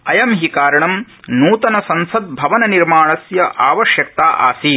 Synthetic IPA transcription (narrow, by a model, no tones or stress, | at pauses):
ɐjɐmɦikaːɾɐɳɐm | nuːt̪ɐnɐsɐnsɐd̪̚bʱɐʋɐnɐniɾmaːɳɐsjɐʔaːʋɐʃjɐk̚t̪aːʔa̰ːsiː